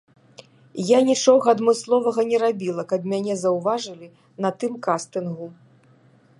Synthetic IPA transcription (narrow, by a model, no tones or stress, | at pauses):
janʲit͡ʂɔɣɐɐd̪mɨslˠɔvɐɣɐnʲɛɾabʲilˠɐkɐbmʲanʲɛzɐwvaʐɨlʲi | nɐt̪ɨmkast̪ɨnɣu